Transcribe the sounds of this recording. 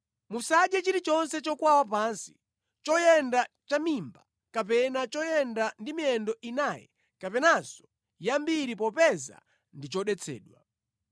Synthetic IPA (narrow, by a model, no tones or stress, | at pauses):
musad͡ʒɛt͡ʃiɾit͡ʃɔnsɛt͡ʃɔkwawapansi̥ | t͡ʃɔjɛndat͡ʃamimba | kapɛnat͡ʃɔjɛndandimiɛndɔʔinajɛ̰ | kapɛnazɔ̥ | jambiɾipɔpɛza̰ | ndit͡ʃɔɗɛt͡sʰɛ̰ːɗwa